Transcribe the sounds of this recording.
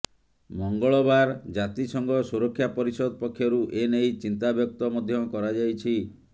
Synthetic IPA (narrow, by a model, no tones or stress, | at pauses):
mɔŋɡɔɭɔbaɾd͡ʒat̪isɔŋɡɔsuɾɔkʰːjapɔɾisɔd̪ɔpɔkʰːjɔɾuʔenejt͡ʃint̪abjɔk̚t̪ɔmɔd̪ʱjɔkɔɾad͡ʒajt͡ʃʰi